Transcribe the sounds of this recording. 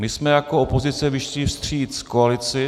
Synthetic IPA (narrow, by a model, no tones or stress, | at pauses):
mɪsmɛjakoopo̞zɪt͡sɛvɪʃlɪfst̪r̝̥iːt̪koalɪt͡sɪ